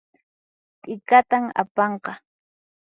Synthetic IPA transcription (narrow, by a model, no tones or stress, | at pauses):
t̪ʼɪkat̪ama̰pɑɴqɑ